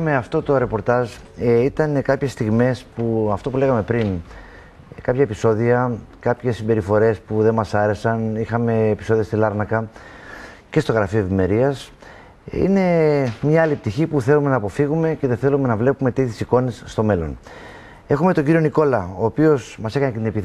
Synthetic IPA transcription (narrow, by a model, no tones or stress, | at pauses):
meɐft̪o̞t̪o̞ɾe̞po̞ɾt̪ɐʒ | it̪ɐnekɐpçe̞st̪iɣme̞spuɐft̪o̞pule̞ɣɐme̞pɾin | kɐpçɐe̞piso̞ðiɐkɐpçe̞sːimbe̞ɾifo̞ɾe̞spuðe̞mɐsɐɾe̞sɐnixɐme̞ːpi̥so̞ðiɐst̪ilɐɾnɐkɐ | ce̞st̪o̞ɣɾɐfioe̞vime̞ɾiɐs | ḭne̞mɲɐɐlip̚t̪içipuθe̞lume̞nɐːpo̞fiɣume̞ce̞ðeθe̞lume̞nɐvle̞pume̞t̪it̪esiko̞nisːt̪o̞me̞lo̞̰n | e̞xume̞t̪o̞ɲɟiɾio̞niko̞lɐo̞ːpio̞smɐse̞kɐnecet̪inepi